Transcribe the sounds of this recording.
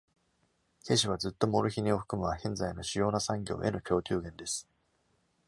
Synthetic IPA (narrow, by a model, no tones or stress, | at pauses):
ke̞ɕ̬iβ̞ad͡zɨt̪ːo̞mo̞ɾɯ̟çiɲ̟io̞ɸɯ̟̥kɯ̟mɯ̟βahẽ̞nd͡zaino̞ɕijo̞ːnasãŋɡʲo̞̰ːʔe̞no̞kʲo̞ːtʲɨːɡẽ̞nd̪e̞sɨ̥